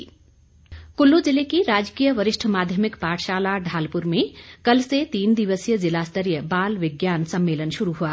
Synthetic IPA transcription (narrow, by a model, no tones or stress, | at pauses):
kulːud͡ʒɪlekiɾaːd͡ʒkijəʋəɾɪʃʈʰmaːd̪ʱjəmɪkpaːʈʰʃaːlaɖʱaːlpuɾmẽkəlset̪iːnd̪iʋəsijəd͡ʒɪlast̪əɾijəbaːlʋɪɡjaːnsəmːeːlənʃuɾuɦua